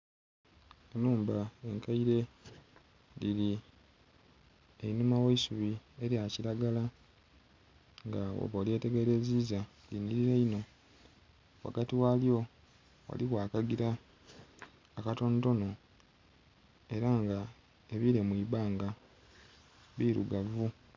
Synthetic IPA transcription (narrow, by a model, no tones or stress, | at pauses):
enuːmbae̞ŋkaiɾe̞ | liɾi | einumaweisuβie̞ɾjaciɾaɡala | ŋɡao̰βole̞ːte̞ɡe̞ɾe̞ziːza | liniɾiɾeino̞ | wa̰ɡatiwaljo̞ | wa̰likwaːkaɡiɾa | kato̞nto̞no̞ | e̞ɾaŋɡa | eβiɾe̞mwiːβaːŋɡa | βiɾṵɡavu